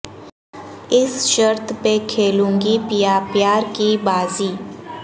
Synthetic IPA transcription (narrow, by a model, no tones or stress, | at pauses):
ɪsʃəɾt̪ʰpekʰeːlũːŋɡipjaːpjaːɾkibaːziː